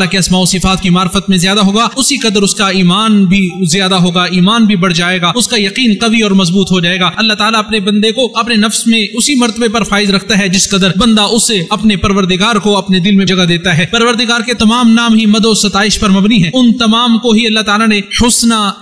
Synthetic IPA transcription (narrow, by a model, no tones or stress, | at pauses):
lakeɐsmaːsifaːt̪̚kimaːɾfət̪mẽzjaːd̪aɦoːɡaːʊsiqɐd̪əɾʊskaiːmaːnbʱizɪjaːd̪aɦoːɡaiːmaːnbʱibɐɽ̤d͡ʒaːeːɡaːʊskajɐqiːnqɐʋiɔːɾmɐzbuːt̪ɦod͡ʒaːeːɡaːɐlːaɦt̪aːlaɐpnebɐ̃nd̪ekoɐpnenɐfsmẽʊsimɐɾt̪əbepɐɾfaːɪzɾɐkʰt̪aɦɛd͡ʒɪsqɐd̪əɾbɐ̃nd̪aʊseɐpnepɐɾʋəɾd̪ɪɡaːɾkoɐpned̪ɪlmẽd͡ʒɐɡad̪eːt̪aɦɛːpɐɾʋəɾd̪ɪɡaːɾket̪ɐmaːmnaːmɦimɐd̪oːsɐt̪aːɪʃpɐɾmɐbniɦɛ̃ːʊnt̪ɐmaːmkoɦiɐlːaɦt̪aːlanehʊsna